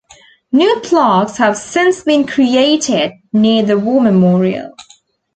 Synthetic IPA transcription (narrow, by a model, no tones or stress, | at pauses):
njuːpʰlɑˑkshəv̥sɪ̃nsbĩnkʰɹieɪtɪd̚niəðəwɔːməmɔːɹiə̰lˠ